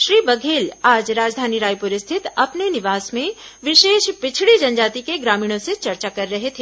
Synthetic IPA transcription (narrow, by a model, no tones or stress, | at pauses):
ʃɾiːbɐɡʱeːlaːd͡ʒɾaːd͡ʒd̪ʱaːniɾaːjpʊɾɪst̪ʰɪt̪ɐpnenɪʋaːsmẽʋɪʃeːʃpɪt͡ʃʰɽid͡ʒɐnd͡ʒaːt̪ikeɡɾaːmiːɽ̃õset͡ʃɐɾt͡ʃakɐɾːɐɦet̪ʰeː